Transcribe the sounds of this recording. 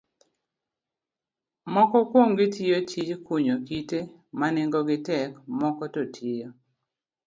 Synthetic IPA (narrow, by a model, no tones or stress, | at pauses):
mɔkɔkwoŋɡɪtijot͡ʃid͡ʒkuɲokite | manɪŋɡɔɡɪtɛkmɔkɔtotʰijo